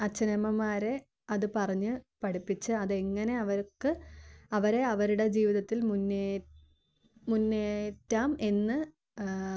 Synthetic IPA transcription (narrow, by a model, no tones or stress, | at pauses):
ɐt͡ɕːɐnɐmɐmaːɾe̞ | ɐðɨpɐrɐɲːɨpɐɽipːit͡ɕːɨɐðeŋːɐne̞ɐʋɐɾkːɨɐʋɐɾeɐʋɐɾuɽe̞d͡ʑiːʋiðɐt̪ːilmunːe | munːeːtːaːme̞nːɨ